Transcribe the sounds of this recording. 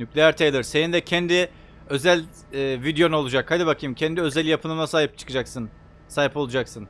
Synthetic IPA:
nycʲlʲejæɾt̪ʰejlˠɯɾsenind̪ɛcʰɛnd̪i | ø̞zælʲː | vid̪jo̞nolˠud͡ʒakhad̪ibakʰɯjɯmcʰɛnd̪iø̞zælʲjapʰɯnɯmnˠasaːɦip̚t͡ʃʰɯ̥kɯd͡ʒaksɯn | saːɦipo̞lˠud͡ʒaksɯn

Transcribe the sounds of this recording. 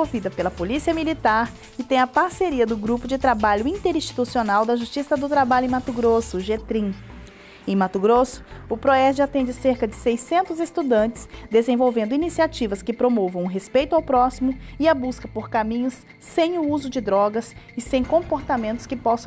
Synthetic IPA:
owvid̪ɐpelɐpolisiɐmilit̪aɾ | kɪt̪ẽj̃ɐpaɾseɾiɐd̪ʊɡɾupʊd͡ʒɪt̪ɾabaʎʊĩnt̪eɾĩst͡ʃi̥t̪usionawd̪ɐʒust͡ʃisɐd̪ʊt̪ɾabaʎʊẽmat̪uɡɾosʊʒet̪ɾĩ | ẽj̃mat̪ʊɡɾosʊ̥ʊpɾoɛd͡ʒɪat̪ẽnd͡ʒɪseɾkɐd͡ʒɪsejsẽnt̪ʊzest̪ud̪ɐ̃nt͡ʃɪ̥sd̪ezẽvowvẽnd̪ʊinisiat͡ʃivɐskɪpɾomovɐ̃w̃ũɦespejt̪ʊawpɾɔsimʊɪɐbuskɐpoɾkamĩɲʊsː | ẽj̃ʊuzʊd͡ʒɪd̪ɾɔɡɐs | ɪsẽj̃kõpoɾt̪amẽnt̪ʊskɪpɔs

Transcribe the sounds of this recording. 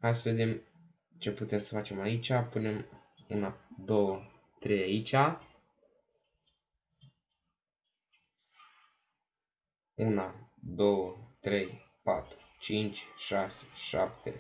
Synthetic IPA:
hajsəve̞d̪e̞m | t͡ʃe̞put̪e̞msəfat͡ʃe̞mait͡ʃʲapune̞m | ṵnad̪o̞wə | t̪ɾe̞jait͡ʃʲa | unad̪o̞wət̪ɾe̞j | pa̰t̪ɾut͡ʃint͡ʃʲʃase̥ʃa̰pt̪e̞̰

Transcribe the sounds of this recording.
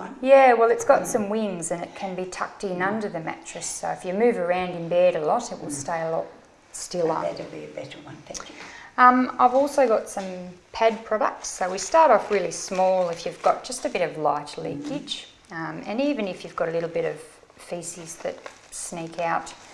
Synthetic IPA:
jæwɛlˠɨtsɡ̥ɑtsʌ̃mwɪ̃ŋzɨ̃nɨt̚kʰɨ̃nbitʰʌ̰k̚tɪ̃nʌ̃ndə˞ðɨmæ̰t͡ʃɹ̥ɨsoʊɨfjɨmʉvə˞ãʊ̃ndɨ̃nbɛɹɾəlɔɾɨt̚wə̰lˠsteɪəlɔ̰t̚ | stɪlˠʌ̰dɨbiɨbɛɾəwʌ̃npɪʌ̃ma̰ɪvɔlˠsoʊɡɑtsʌ̃mpʰæd̚pʰɹ̥ɑɾə̰k̚tsoʊwistɑɹɾɔfɹɪlˠismɔlˠɨfjʉvɡɑt̚d̥ʒ̥ʌstɨbɪɾʌvlaɪtlḭkɪ̥d͡ʒ | ʌ̃mɨ̃nivɨ̃nɨfjʉvɡɑɾəlɪɾl̩ˠbɪɾʌv̥ | fisizðɨ̰t̚ | snikʰaʊt̚

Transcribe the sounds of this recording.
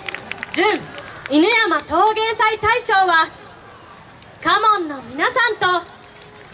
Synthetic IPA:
d͡ʑɨ̃ɴinɯjamat̪o̞ːɡe̞ːsait̪aiɕo̞ːβa | kamõ̞nːo̞mʲinasãnt̪o̞

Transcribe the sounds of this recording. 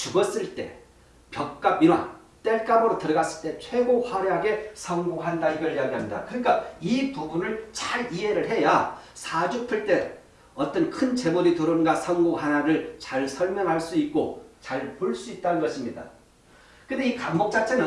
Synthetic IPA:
t͡ɕubʌs͈ɯɭt͈e̞̰ | pjʌk̚k͈abinwa̰ | t͈e̞ɭk͈abɯɾotɯɾʌɡas͈ɯɭt͈e̞t͡ɕʰwe̞ɡohʌɾeɦaɡe̞sʰʌŋɡoɦandaiɡʌɭjaɡiɦamɲida̰kɯɲik͈aipuɡunɯɭt͡ɕaɾiɦe̞ɾɯɭɦe̞ja | sʰad͡ʑupʰɯɭt͈e̞ | ʌt͈ʌnkʰɯnt͡ɕe̞moditɯɾoɯnɡasʰʌŋɡoɦanaɾɯɭt͡ɕaɭsʰʌɭmjʌŋɦaɭs͈uit̚k͈ot͡ɕaɭpoɭs͈uit̚t͈anɯnɡʌɕʰimɲida̰ | kɯnde̞ikamːok̚t͡ɕ͈at͡ɕʰenɯ

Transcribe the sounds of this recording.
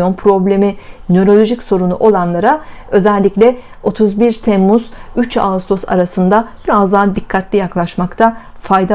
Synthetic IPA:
onpʰɾo̞blʲe̞minøɾo̞lʲo̞ʒicso̞ɾunṵʔo̞lˠanlˠaɾaø̞zɛlʲːiclʲɛ | o̞t̪ʰuzbiɾt̪ʰɛmːuz̥yt͡ʃa̰lst̪ʰo̞sa̰ɾasɯnd̪ab̥iɾazd̪aɦd̪ikʰːat̪lʲijaklˠaʃmakt̪ʰa | fajd̪a

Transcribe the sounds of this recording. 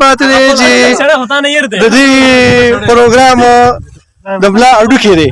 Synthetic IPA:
pɑt̪ed̪et͡ʃe | d̪əd̪i | pəɾoɡɾɑm | d̪əblɑaɖuked̪e

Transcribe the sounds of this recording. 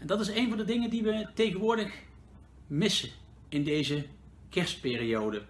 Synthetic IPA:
ɛndɑtɪsejnvɑndədɪŋəndiʋətejɣənʋʊːɹdəx | mɪsə | ɪndejzə | kɛɹst̚pɪːriowdə

